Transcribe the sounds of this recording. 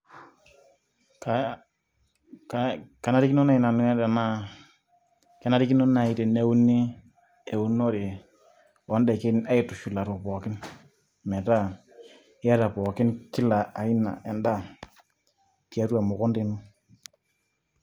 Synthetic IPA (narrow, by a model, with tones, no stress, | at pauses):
ka | kaka˨na˦ɾi˦ki˦no˦na˨ɪ˨na˨n˦ɛ˦da˨na˦ | kɛ˨˦na˦ɾi˦ki˦no˦na˨i˨te˨ne˦u˦ni˦ | e˨u˦no˦ɾe˨ | ɔ˦ndɛ˨kɪ˦na˦ɪ˨tu˨ʃu˨la˨ɾɔ˨pɔ˨kɪ˦n | mɛ˨ta˦˨˦ | ja˦ɾa˨pɔ˨kɪ˦nkɪ˦la˨a˨ɪ˦na̰˨ʔɛ˨nda˦˨ | ti˨a˦twa˨mʊ˨kɔ˦nde˨nu˦